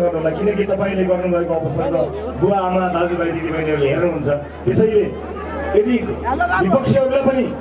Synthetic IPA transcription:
ɡʌrnuɦulakinʌkit̪ʌpaĩleɡʌrnubʱʌekoʌpʌsʌnt̪ʌ | ɡoaːmad̪ad͡zubajd̪id̪ibaĩleɾleɦernuɦunt͡sʰʌ | t̪esʌjle | ed̪ibipʌk̚t͡sʰjʌɦʌɾlapʌni

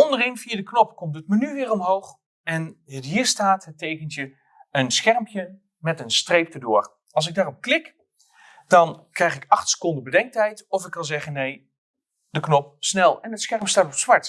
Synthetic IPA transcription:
ɔndərenfiadəknɔpkɔmtətmənyʋɪːrɔmɦowχ | ɛnətɦiːɹstaːtɦətejkəntjə | ənsxɛrmpjə | mɛtənstrejp̚tədʊːr | ɑlˠsɪɡ̚daːrɔp̚klɪk | d̥ɑnkrɛjχɪkɑχtsə̥kɔndəbədɛŋk̚tɛjtɔfɪkkɑnzɛχənej | d̥əknɔp̚snɛlˠɛnətsxɛɹmstaːtɔpsʋɑɹt

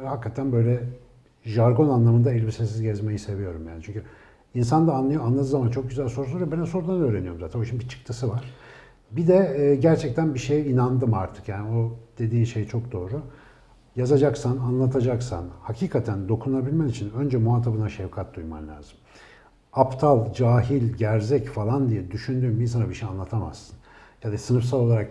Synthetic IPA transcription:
hakːat̪ʰænbø̞jlʲɛ | ʒaɾɡo̞nanlˠamɯnd̪ailʲbisesizɟɛzme̞jise̞vijo̞ɾumjaːnit͡ʃʰyɲcʰy | ins̬and̪aːnlˠajoanlˠad̪ɯzamant͡ʃʰo̞k̚ɟyzælʲso̞ɾusˠɾvɛbænɛso̞ɾud̪anø̞ːɾenijo̞ɾmzaːt̪ʰænoʃnmbit͡ʃʰɯ̥k̚t̪ʰɯsɯvaɾ̥ | bid̪ɛɟæɾt͡ʃʰɛc̚t̪ʰænbiʃejinand̪ɯmaɾt̪ʰɯ̥kjaːnio̞d̪̥e̞d̪iːnʃe̞jt͡ʃʰo̞k̚d̪o̞ːɾu | jazad͡ʒaksananlˠat̪ʰad͡ʒaksa̰nhacʰiːkʰat̪ʰænd̪o̞kʰunabilʲmɛnit͡ʃʰinønd͡ʒɛmuaːt̪ʰabɯnaʃevkʰat̪̚d̪ujma̰mlʲa̰ːz̥ɯm | apt̪ʰalˠd͡ʒaːɦilʲɟæɾzɛcfalˠand̪ijɛd̪yʃynd̪yːmbins̬anabiʃejanlˠat̪ʰama̰z̥sɯ̥n | jad̪asɯnɯfsalˠolˠaɾak

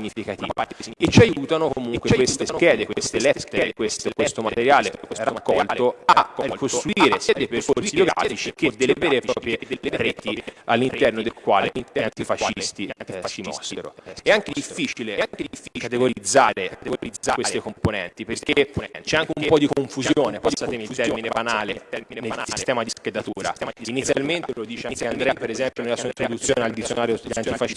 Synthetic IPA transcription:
ɲːifikat̪ḭet͡ʃiajuːt̪anokomuŋkwewest̪eskɛːd̪ekwest̪elɛt̪ːeekwest̪okwest̪omat̪eɾjaːlekesrːakːɔlloakost̪ɾuiːɾesɛːd̪epeɾkosioɡɾa̰fit͡ʃik̟ed̪elːevɛːɾepɾɔːpɾjeeɾeːt̪ialːint̪ɛrnod̪elkwa̰ːleint̪ɛt̪ifaʃist̪iimɔ̰seɾo̰ɛaŋked̪ifːit͡ʃileaŋkeifkat̪eɡoɾid̪zːaːɾeiakwest̪ekomponɛ̰nt̪ipeɾket͡ʃɛaŋk̟eumpɔd̪ikoɱfuzjoːnepɔjsat̪emilɛɾminebanaːleɛnelsist̪ɛːmad̪isked̪at̪uːɾa̰init̪sːjalment̪elod̪iːt͡ʃand̪ɾɛapeɾezɛmpjonelːasuaint̪ɾod̪ut̪sːjoːneald̪it̪sːjonaːɾjod̪iant̪ifaʃ

